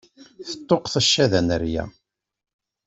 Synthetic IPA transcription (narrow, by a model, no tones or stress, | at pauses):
θə̥t̪ˤːoqθəʃːæðænəɾjæ̰